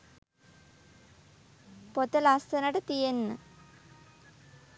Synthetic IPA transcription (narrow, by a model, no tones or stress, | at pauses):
pot̪əlast̪ənaʈət̪ijenːə